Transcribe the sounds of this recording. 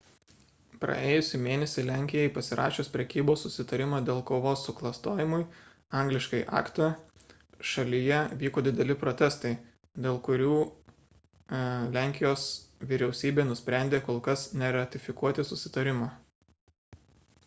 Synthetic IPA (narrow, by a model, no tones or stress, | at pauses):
pɾɐ̰eːjʊsʲʊmʲeːnʲɛsʲɪlʲæˑŋʲkʲɪjɛɪpɐsʲɪɾʔɑ̰ːʃʲoːspʲɾʲɛkʲiːboːsːʊsʲɪt̪ɐɾʲɪmɑːd̪ʲeːlˠkoːʋoːsʊklˠɐst̪oːjɪmʊɪ | ɐŋʲɡlʲɪʃkɐɪʔɑ̰ːkt̪ɐ | ʃɐlʲɪjɛʋʲiːkoːd̪ʲɪd̪ʲɛlʲɪpɾot̪ʲɛst̪ɐɪ | d̪ʲeːlˠkʊɾʲuː | lʲæŋʲkʲɪjoːsʋʲiɾʲɛʊsʲiːbʲeːnʊsʲpʲɾʲæˑnʲd̪ʲeːkoːlˠkɐsnʲɛɾɐt̪ʲɪfʲɪkuɔt̪ʲɪsʊsʲɪt̪ɐɾʲɪmɑ